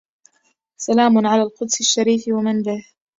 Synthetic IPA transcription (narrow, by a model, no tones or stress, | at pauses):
salaːmʊnʕalaːlqʊd̪sɪʃːaɾiːfwamɪnbɪh